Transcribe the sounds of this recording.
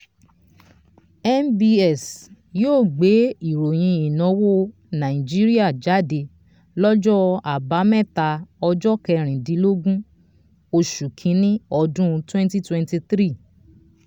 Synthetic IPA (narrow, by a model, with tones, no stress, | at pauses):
ɛ˦nbi˧ɛ˨s | joː˦˨ɡ͡be˨˦i˨ɾo˨j̃ĩ˧i˨nɔ̃˨˦wo˦ | nã˨ĩ˨d͡ʒi˦ɾi˦a˦˨d͡ʒa˨˦de˧ | lɔ˦d͡ʒɔ˦a˨ba˨˦mɛ̃˦˨ta˧ɔ˧d͡ʒɔ˦kɛ˧ɾ̃ĩ˨dĩ˨˦lo˦ɡũ˦ | o˧ʃu˨kʰĩ˨˦nĩ˦ɔ˧dũ˦˧twɛ̃˦n˦ti˦twɛ̃˧nti˧t̪ɾi˦˨